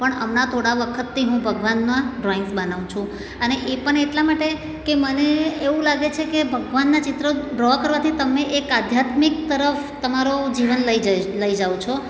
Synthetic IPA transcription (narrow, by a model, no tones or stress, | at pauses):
pəɳəmnat̪ʰoɽaʋəkʰət̪ːiɦũbʱəɡʋanmãɖɾɔɪŋsbənaʋũt͡ʃʰũ | əneʔepəɳeʈlamaʈe | keməneːʋũlaɡet͡ʃʰekebʱəɡʋanːat͡ʃɪt̪ɾəɖɾɔkəɾʋat̪ʰit̪əmeʔekad̪ʱjat̪mik̚t̪əɾəft̪əmaɾod͡ʒiʋənləiləid͡ʒaũt͡ʃʰo